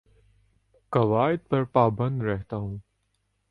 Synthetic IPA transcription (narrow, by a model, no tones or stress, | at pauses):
kɐʋaːɪd̪̚pɐɾpaːbə̃nd̪ɾɛɦt̪aːɦũː